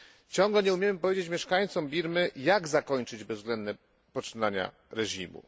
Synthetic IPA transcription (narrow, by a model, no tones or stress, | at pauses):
t͡ɕɔŋɡlɛɲɛumjemɘpɔvʲjed͡ʑet͡ɕmʲjɛʂkaɲt̪sɔmbʲiɾmɘjaɡzakɔɲt͡ʂɘd͡ʑbɛvzɡlɛnd̪nɛ | pɔt͡ʂɨnaɲa̰ | ɾɛʑimṵ